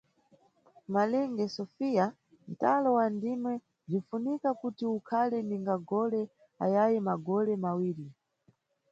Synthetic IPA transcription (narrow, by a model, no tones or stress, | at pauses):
malɛŋɡɛsɔfija | n̩talɔwandimwɛ | zifunikakutiukʰalɛniŋɡaɡɔlɛ | ajajɛmaɡɔlɛmawiːɾi